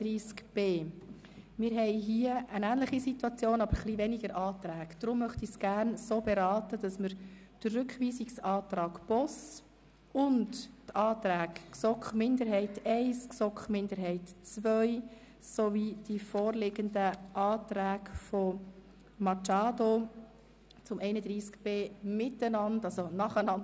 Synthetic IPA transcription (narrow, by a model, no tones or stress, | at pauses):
ɾiːskb̥eː | mɪːɾɦɛɪɦiəənæːnləχisituɑt͡sjoːnɑbəɾχlivɛniɡəɾʔɑːtɾæːɡ̥d̥̪ɾʊmːœχtisɡ̥æːɾnsoːbɛɾɑːtəd̥ɑsməɾ | d̥ərrʏkχʋiːsiksɑːtɾɑːɡb̥ɔs | ʊndtɑːtɾæːkksɔkχmɪnd̪əɾɦɛɪtɛɪsksɔkχmɪndəɾɦɛɪtt͡sʋœʏ | sɔvid̥ifɔːɾlɪɡəndəʔɑːtɾæːɡfɔ | mɑt͡ʃɑːdo | t͡sʊmɛɪnəd̪ɾiːskb̥eːmɪtənɑndɑlsonɑχənɑn